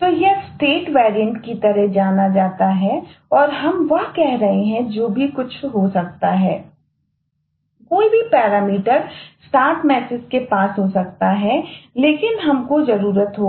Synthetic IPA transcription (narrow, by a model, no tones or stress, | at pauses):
t̪oːjɐsʈeːʈʋɛːɾijə̃ɳʈkit̪ɐɾɛɦd͡ʒaːnad͡ʒaːt̪aɦɛɔːɾɦɐmʋɐɦkɛɦɾɐɦeɦɛ̃d͡ʒoːbʱikʊt͡ʃʰɦosɐk̚t̪aɦɛː | koːibʱipɛːɾaːmiːʈəɾsaːʈmɛːsɪzkepaːsɦosɐk̚t̪aɦɛleːkɪnɦɐmkozɐɾuːɾət̪ɦoː